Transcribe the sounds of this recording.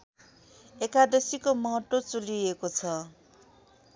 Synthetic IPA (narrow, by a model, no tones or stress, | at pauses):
ekad̪esikomʌɦʌt̪ːot͡suliekot͡sʰʌ